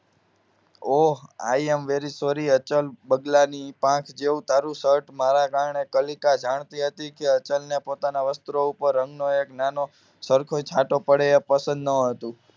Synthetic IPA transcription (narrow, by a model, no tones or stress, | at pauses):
oɦa̰iemʋeɾisoɾiət͡ʃəlbəɡlanipãkʰd͡ʒeũt̪ʰaɾũsəɾʈmaɾakaɾɳekəlikad͡ʒaɳ̃t̪iɦət̪ikeət͡ʃəlnepot̪anaʋəst̪ɾoupəɾːə̃ŋɡnoeknano | səɾkʰoĩt͡ʃʰaʈopəɽeepəsə̃nd̪nəɦət̪ũ